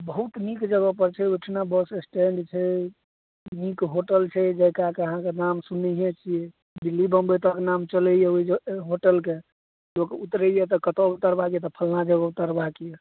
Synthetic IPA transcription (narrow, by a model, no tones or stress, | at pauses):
bəɦut̪nikd͡ʒəɡɔpəɾt͡ʃʰɛoʈʰnabəsesʈeɳɖt͡ʃʰɛ | nikɦoʈəlt͡ʃʰɛd͡ʒɛkakeəɦãkenamsunəɦet͡ʃʰijɛ | bilːibəmbet̪ɔkenamt͡ʃələjɛoid͡ʒɦoʈəlke | okut̪ɾəjɛt̪ɔkət̪out̪əɾbakjet̪ɔpʰəlnad͡ʒəɡɔut̪əɾbakije